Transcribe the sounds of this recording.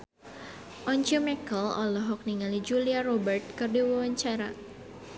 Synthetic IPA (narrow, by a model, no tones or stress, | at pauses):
ʔɔɲt͡ʃɔmɛkəlɔ̰lɔɦɔk̚niŋalid͡ʒuliarɔbərt̪̚kərdiwawaɲt͡ʃaɾa